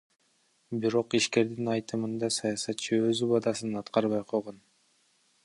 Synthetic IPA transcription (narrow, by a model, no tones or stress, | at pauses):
biɾo̞qiʃke̞ɾd̪inɑjt̪ɯmɯnd̪ɑsɑjɑsɑt̪t͡ʃʰɯøzybɑd̪ɑsɯnɑt̪qɑɾβɑjqʰo̞lˠʁon